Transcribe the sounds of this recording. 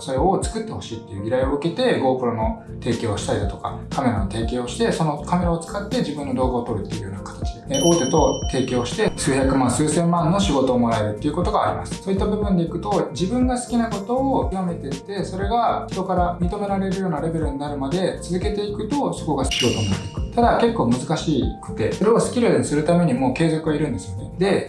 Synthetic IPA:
so̞ɾe̞o̞t͡sɨ̥kɯ̟t̪ːe̞ho̞ɕiːt̪ːe̞iɯ̟iɾaio̞ɯ̟ke̞t̪e̞ɡo̞ːpɯ̟ɾono̞ | t̪e̞ːkʲo̞ːɕi̥t̪aid̪at̪o̞̥ka̰kame̞ɾanot̪e̞ːkʲe̞ːoɕi̥t̪e̞so̞no̞kame̞ɾaot͡sɨ̥kat̪ːe̞d͡ʑibɯ̟̃nːo̞d̪o̞ːɡaoːt̪o̞ɾɯ̟t̪ːe̞̰iɯ̟jo̞̰ːnakḁt̪ḁt͡ɕi̥eʔo̞ːt̪e̞t̪o̞t̪e̞ːkʲo̞ːɕi̥t̪e̞sɨːçakɯ̟mãɰ̃sɨːsẽ̞mːãnːo̞ɕiɡo̞t̪o̞ːmo̞ɾae̞ɾɯ̟t̪ːeiɯ̟ko̞t̪o̞ɡaːɾʲḭmasɨ̥soːit̪ːabɯ̟bɯ̟̃nd̪eikɯ̟t̪o̞d͡ʑibɯ̟̃ŋɡasɨ̥kʲinako̞t̪o̞ːjame̞t̪e̞t̪ːe̞so̞ɾe̞ɡaçi̥t̪o̞kaɾamʲit̪o̞me̞ɾaɾe̞ɾɯ̟jo̞ːnaɾe̞be̞ɾɯ̟ɲ̟inaɾɯ̟mad̪e̞t͡sɨzɨke̞t̪e̞ikɯ̟t̪o̞so̞ko̞ɡaɕiɡo̞t̪o̞mina̰t̪eikɯ̟̥t̪ad̪ake̞kːo̞ːmɯ̟zɨkaɕiːkḁt̪e̞̰oɾe̞o̞sɨ̥kʲiɾenisɨɾɯ̟t̪ame̞ɲ̟imo̞ːke̞ːzokɯ̟βaiɾɯ̟nd̪e̞sɨjo̞ned̪e̞

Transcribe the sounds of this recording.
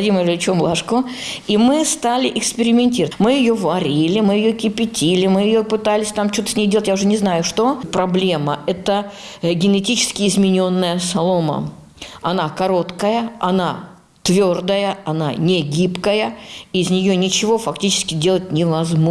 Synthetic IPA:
ɐdʲiməɾʲɪlʲɪt͡ɕomlˠaʂkʊimɨst̪alʲɪʔɪkspʲɪɾʲɪmʲɪnʲtʲirəmɨjɪjo̞vɐɾʲilʲɪmɨjɪjokʲɪpʲɪtʲilʲɪmɨjɪjopɨt̪alʲɪsʲt̪amt͡ɕo̞t̪əsʲnʲejdʲelˠtʲjaʊʐɨnʲɪznajʊʂt̪o̞pɾɐblʲe̞məɛt̪ə | ɡʲɪnɪtʲit͡ɕɪ̥skʲɪːzmʲɪnʲonːəjəsɐlˠomə̰ | ɐnakɐɾo̞t̪kəjəɐ̰na | t̪vʲo̞rd̪əjəɐnanʲɪɡʲipkəjəɪzʲnʲɪjonʲɪt͡ɕɪvo̞fɐktʲit͡ɕɪ̥skʲɪdʲe̞lˠət̚ʲnʲɪvɐzmo

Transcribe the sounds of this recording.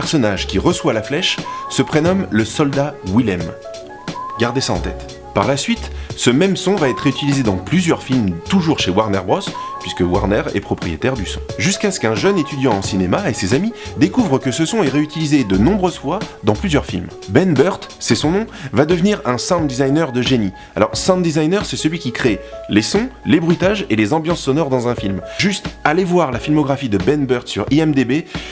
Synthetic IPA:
ɛʁsɔnaʒkʲiʁəswalaflɛʃsəpχenɔmləsɔld̪awilɛm | ɡaʁd̪esaɑ̰̃t̪ɛ̰t̪ | paʁlasɥit̪səmɛmsɔ̃vaɛt̪χeyt̪ilized̪ɑ̃plyzjœʁfilmt̪uʒuʁʃewaʁnɛʁbʁɔspɥiskəwa̰ʁnɛʁɛ̰pχɔpχijet̪ɛʁd̪ysɔ̃ʒyskasə̥kɛ̃ʒənet̪yd̪jɑ̃ːsinemaesezamid̪ekuvʁəkəsəsɔ̃ɛʁeyt̪ilized̪ənɔ̃bʁøzfwad̪ɑ̃plyzjœʁfḭlm | bɛnbœʁt̪sɛsɔ̃nɔ̃vad̪əvniʁɛ̃sãnd̪izajnœʁd̪əʒeni | alɔ̰ʁsãnd̪izajnœʁsɛsəlɥikʲikχelesɔ̃lebʁit̪aʒelezɑ̃bjɑ̃sːɔnɔʁd̪ɑ̃zɛ̃filmʒyst̪alevwaʁlafilmɔɡʁafid̪əbɛnbœʁt̪syʁiɛmd̪ebe

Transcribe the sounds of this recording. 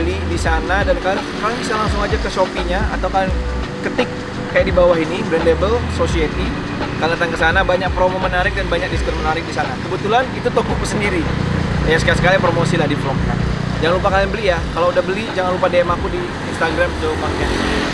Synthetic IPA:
əlidisanadankala | uɾaŋbisalaŋsʊŋad͡ʒakəʃopiɲaa̰t̪awkalan | kit̪ɪk̚ː | ajaʔdibawaɦinibɾɛndlebəlsosiet̪i | kalat̪ankəsanabaɲak̚pɾomomənaɾɪk̚danbaɲak̚diskərmənaɾɪk̚disanakəbət̪ulanit̪ut̪okɔk̚bəsəndiɾijasəkasə̥kalipɾomosilahdifɾɔmka̰nd͡ʒaŋanlupakalinbəlijakalaudahbəlid͡ʒaŋanlupadeɛmakudiːnst̪aɡɾamt̪aupakɲa

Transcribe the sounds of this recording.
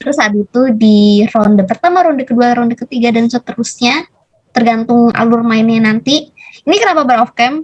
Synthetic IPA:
ɾəsaːt̪̚it̪udirɔndapərt̪amaɾɔndakəduaɾɔndakət̪iɡadansət̪əɾusɲa | t̪ərɡant̪ʊŋa̰lʊrmaɪnɲanant̪iinikənapabəɾɔfkɛm

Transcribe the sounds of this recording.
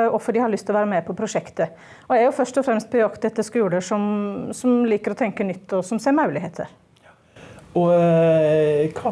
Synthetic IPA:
ɔfːəɖɪhɑɭʏst̪ɪlɔʋæːɾəmɛpʰɔpʰɾʊʂɛkt̪ə | ɔæɾjʊfœʂtɔfɾɛmst̪̚pʰɔjɔkt̪ɛt̪ːəskʉːləʂɔmsɔmliːkəɾɔt̪ʰɛŋkəɳʏt̪ʰːɔsɔmseːɾmɑʉlɪɦeːt̪ʰə̰ɾ | ɔ | kʰ

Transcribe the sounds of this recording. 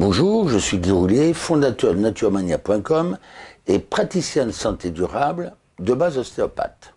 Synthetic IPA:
bɔ̃ʒuːʁʒəsɥiɡʲiʁuljefɔ̃d̪at̪œʁd̪nat̪yʁmanjapwɛ̃kɔmepχat̪isjɛ̃d̪sɑ̃t̪ed̪yʁabl | d̪əbazɔst̪eɔpa̰t̪

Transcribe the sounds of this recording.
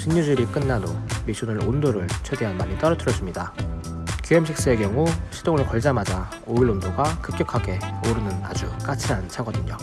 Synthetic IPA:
t͡ɕʰiɲːud͡ʑuɾik͈ɯnːanomiɕʰunɯɭondoɾɯɭt͡ɕʰwede̞ɦanmaɲit͈ʌɾʌtʰɯɾjʌs͈ɯmɲida | kjuɦemɕʰik̚s͈ɯe̞kjʌŋuɕʰidoŋɯɭkʌɭd͡ʑamad͡ʑa | oiɭːondoɡakɯp̚k̚k͈jʌkʰaɡe̞oɾɯnɯna̰d͡ʑuk͈at͡ɕʰiɦant͡ɕʰaɡʌdɯɲo

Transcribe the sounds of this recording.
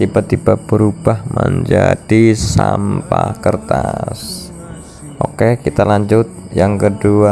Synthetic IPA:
t̪ibat̪ibabəɾub̥ahməɲd͡ʒad̥isampakərt̪as | ʔokekit̪alaɲd͡ʒʊt̪̚jaŋkədua

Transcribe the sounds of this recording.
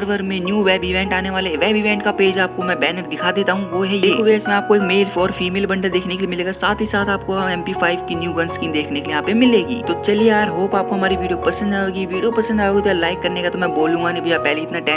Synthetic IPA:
ɾʋəɾmẽnjuːʋɛːbɪʋɛ̃ːɳʈaːneʋaːleʋɛːbɪʋɛ̃ːɳʈkapeːd͡ʒaːkomɛ̃bɛːnəɾd̪ɪkʰaːd̪eːt̪aɦũʋoɦɛjeːeːkʰoʋesmẽaːpkoeːkmeːlfɔːɾfiːmeːlbɐ̃ɳɖəld̪eːkʰnekelimɪleːɡasaːt̪ʰɦisaːt̪ʰaːpkoɛ̃ːmpifaːɪʋkinjuːɡɐnskiːnd̪eːkʰnekelijɐɦãpemɪleːɡḭːt̪ot͡ʃɐlieaɾɦoːpaːp̚koɦɐmaːɾiʋiːɖiopɐsə̃nd̪aːoːɡiʋiːɖijopɐsə̃nd̪aːjoːɡit̪oaːlaːɪkːɐɾnekat̪omɛ̃boːlũːŋɡanebɐd͡ʒapɛɦleɪt̪naʈɛː

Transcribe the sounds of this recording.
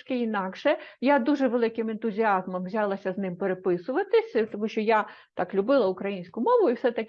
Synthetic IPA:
kɪinɑkʃɛjad̪uʒɛʋelˠɪkɪment̪ʊzʲiɑzmɐmʋzʲɑlˠɐsʲɐznɪmpeɾepɪsʊʋɐt̪ɪsʲt̪ɔmuʃʲt͡ʃɔja | t̪ɑklʲʊbɪlˠɐʊkɾɐjinʲsʲkʊmɔʋʊiwsɛt̪ɐk

